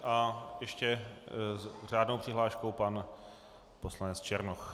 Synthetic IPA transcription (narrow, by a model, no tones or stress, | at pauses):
ʔajɛʃcɛzr̝aːdnowpr̥ɪɦlaːʃkowpan | poslanɛt͡st͡ʃɛɾnox